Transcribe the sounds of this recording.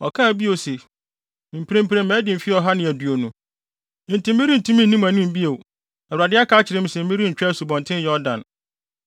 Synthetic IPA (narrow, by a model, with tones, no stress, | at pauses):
ɔ̰˨kʰã˦˨bi˦o˨se˨ | m̩˨pʰɾẽ˦m̩pɾẽ˨m˦mɛ̃ː˦dɪ̃˨m̩˨fi˦ɔ˨ɦa˦nɪ̃˨æ˨du˨o˨nũ˨ | n̩˨tʰĩ˨m˦mĩ˦ɾĩ˦n̩˨tʰũ˦mĩ˦n̩˨nĩ˦mæ̃˨nũ˦m˨bi˦e˨ | ɛ˨a˨dɪ˦a˦kʰa˦t͡ɕʰɪ˨ɾɪ̃˦m̩̃˦sɛ̃˨m̩˦mɪ˦ɾi˦ɲ̩˨t͡ɕᶣa˦su˨bɔ̃˨ntʰɪ̃˦n˦jɔ˦dã̰˨n